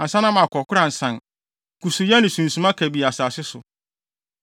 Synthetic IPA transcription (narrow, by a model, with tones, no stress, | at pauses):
a˨sa˦nã˦mã˨kʰɔ˨kʰʊ˦ɾã˨n̩˨sã˨n | kʰu˨su˨ja˦nɪ̃˨sũ˨n̩˨sũ˨˦mã˦kʰæ˨bi˨a˨saː˨sɪ˦sʊ˨